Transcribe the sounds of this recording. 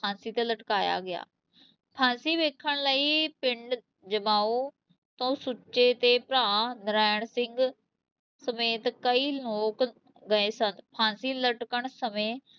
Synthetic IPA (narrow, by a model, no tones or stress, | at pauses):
pʰãːnsiːt̪ẽːləʈkaːja̰ːɡɪja̰ː | pʰãːnsiːʋeːkʰːəɳləiːpɪɳɖ | d͡ʒəmaːoː | t̪õːsuʃeːt̪eːpɾaːnɾɛːɳsɪŋɡ | səmeːt̪kəiːloːk | ɡəeːsənd̪pʰãːnsiːləʈkəɳsəmẽː